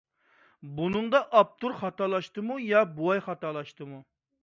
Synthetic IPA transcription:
bunɨŋd̪ɑʔɑp̚t̪ʰuɾχɑt̪ɑlˠɑʃt̪ɨmujɑbuwɑjχɑt̪ɑlˠɑʃt̪ɨmu

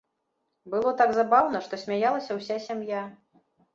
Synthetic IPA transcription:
bɨlˠɔt̪aɡzabawnɐʂt̪ɔsʲmʲajalˠɐsʲɐwsʲasʲamja

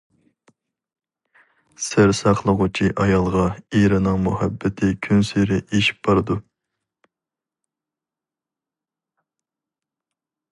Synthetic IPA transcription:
sɪɾsɑqlˠəʁʊt͡ʃʰiʔɑjɑlˠʁɑiɾɪnɨŋmuhɛbːɪt̪ʰɪkʲʰynseɾɪʔeʃi̥p̚bɑɾɨd̪u

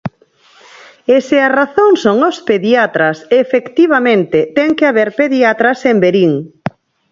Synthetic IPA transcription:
esearaθõŋsoŋospeðiat̪ɾɐsefekt̪iβ̞amẽnt̪ɪt̪ɛŋkɪaβeɾpeðiat̪ɾɐsembeɾiŋ

